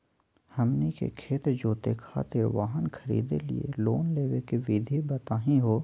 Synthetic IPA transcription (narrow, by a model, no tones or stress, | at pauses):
hɐmnikḛkʰeːt̪d͡ʒoːt̪ekʰa̰ːt̪ɪɾʋaːɦənkʰəɾḭːd̪elḭḛloːnleːʋekeʋiːd̪ʱibɐt̪aːɦĩɦoː